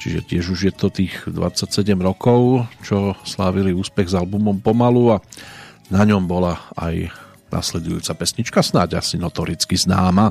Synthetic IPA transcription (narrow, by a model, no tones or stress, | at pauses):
t͡ʃiʒɛ̰cɪɛʒuʒjɛt̪ɔt̪iːɣd̪ʋa̰t͡sːacsɛɟɛmɾɔkɔʊt͡ʃɔslaːʋiliuːspɛɣzalbumɔmpɔmalua | naɲɔmbɔlaa̰j | nʔa̰slɛd̪ujṵːt͡sapɛsɲit͡ʃkasnaɟa̰sinɔt̪ɔɾit͡skiznaːma